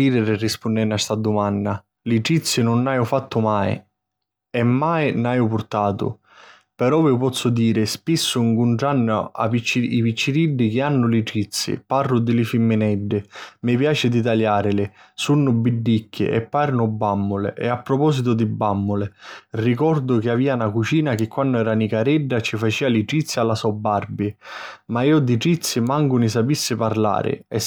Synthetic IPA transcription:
iːɾɪɾɪrːispʊnːɛnːast̪ad̪ʊmanːa | lit͡ʃit̪sːɪnʊnːajʊfat̪ːʊmaj̰ | ɛmːaːjnajʊpʊɾt̪aːt̪ʊ̰ | pɛɾɔvɪʊpɔt̪sːʊd̪iːɾɪspisːʊiŋkuɳʈɽanːʊa̰vit͡ʃːivit͡ʃːiɾiɖːik̟ɪanːʊlit͡ʃit̪sːḭparːʊd̪ɪlɪfimːɪnɛɖːɪmɪpjaːt͡ʃɪd̪it̪̬aʎjaːɾɪlɪ | sunːʊbiɖːikːɪ̰ʔɛ̰pːaːɾnʊbːamːʊlɪ̰ʔɛ̰apːɾɔpɔːsit̪ʊd̪ɪbːamːʊlɪrik̬ɔrd̪ʊk̟ɪaviːanakut͡ʃiːnak̟ɪkːwanːʊɛːɾanikaɾɛɖːat͡ʃifat͡ʃiːaliʈit̪sːjalːasɔbːarbimaiːʊd̪iʈɾit̪sːimaŋɡʊnɪs̬apisːɪpaɾla̰ːɾɪ̰ɛ

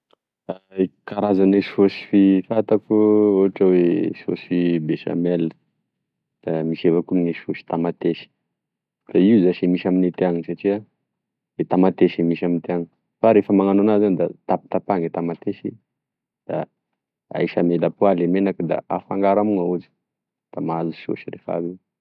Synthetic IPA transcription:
aekaɾazaniʃosi̥fifat̪akuoɦaʈ͡ʂaweso̰sifibeʃa̰melə̥ | d̪̥amiʃevakuniʃfosi̥t̪amat̪eʃi̥ | d̪̥aiuzaʃimiʃaminit̪eaŋisaʈ͡ʂia | et̪amat̪eʃimiʃamint̪eaŋi̥ | faɾefəmaŋanoanazanid̪at̪api̥t̪apaŋet̪amat̪eʃi | d̪̥a̰ | a̰jʃamelapualemenakd̪a̰a̰faŋɡaɾamuŋaud͡ʒi̥ | d̪̥amazu̥so̰ʃiɾefa̰bie

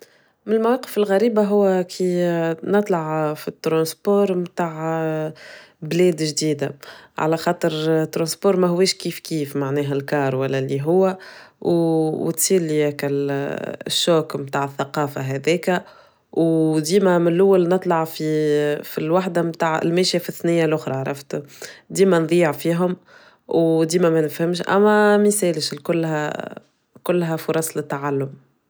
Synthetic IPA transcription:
mɪnlmawɑqːəfɪlɣæɾiːbaɦʊwːækʰinɨt̪ˤlɑʕfit̪ːɾɑ̃ːspoːɾˤmt̪aːʕ | blɛːd̪ʒd̪iːd̪aʕa̰læxɑːt̪ˤəɾt̪ːɾˤɑ̃ːspoːɾˤmæɦʊwːɛːʃkiːfkiːfmaʕnɛːɦælkɑːɾˤwælːælːiɦʊwːæwwt̪siːɾliækæ | ʃːoːkmt̪aːʕəθːaqɑːfaɦæðɛːkæ | wd̪iːmæmɪnlʔʊwːælnɨt̪ˤlɑʕfifilwaħd̪amt̪aːʕ̰lmæːʃjafiθnɪjːalʔʊxɾˤɑʕɾˤɑ̰ft̪d̪iːmænðˤiʕfiːɦʊm | wd̪iːmæmænəfhɪmʃʔæ̰mːæmisɛːlʃlkʊlːhæ̰ | kʊlːɦæfʊɾˤɑsˤlɪt̪ːaʕalːʊm

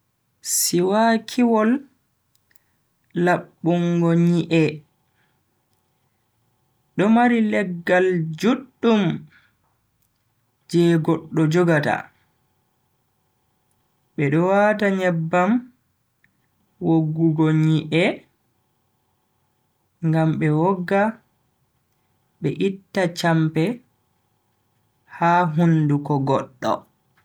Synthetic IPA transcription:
siwakʰiwɔl | laɓːuŋɡɔɲiʔɛ | ɗɔmaɾilɛɡːald͡ʒuɗːum | d͡ʒɛɡɔɗːɔd͡ʒɔɡata̰ | ɓɛɗɔwataɲɛbːam | woɡːuɡoɲiʔɛ | ŋɡamɓɛwɔɡːa | ɓɛʔitːat͡ʃampɛ | haːɦundukɔɡɔɗːɔ̰

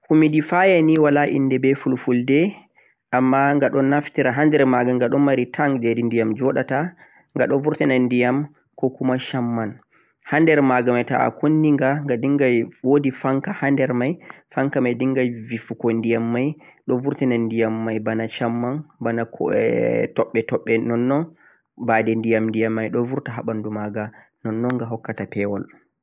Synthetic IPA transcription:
humidifajaniwalaʔḭnːdɛbɛfulfuldɛ | ʔamːaŋɡaɗɔnːaftiɾaɦandɛɾmaɡaŋɡaɗɔnmaɾitʰaŋɡd͡ʒedindijamd͡ʒɔɗata | ŋɡaɗɔvuɾtɛnandijam | kɔkumaʃamːan | handɛɾmaɡamajta̰ʔa̰kʰonːiŋɡaŋɡadiŋɡajwodifaŋkahandɛɾmajfaŋkamajdiŋɡajvifukɔndijamːajɗɔvuɾtɛnandijamːajbanaʃamːanbana | tɔɓːɛtɔɓːɛnɔnːɔn | badɛndijamndijamːajɗɔvuɾtaɦaɓandumaɡa | nɔnːɔŋɡaɦɔkːatapɛwɔl

